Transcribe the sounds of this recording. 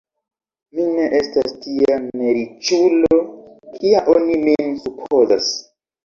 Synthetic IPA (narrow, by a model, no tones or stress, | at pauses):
mine̞ʔestastiameɾit͡ʃulo̞kʰiaʔonimemsupʰozas